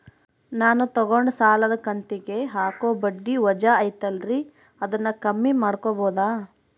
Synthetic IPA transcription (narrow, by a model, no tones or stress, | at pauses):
naːnut̪ɐɡoɳɖsaːlɐd̪ɐkɐnt̪iɡe̞ɦaːkoːbɐɖːiʋɐd͡ʒaɐjt̪ɐlɾi | ɐd̪ɐnːɐkɐmːimaːɽkoboːd̪aː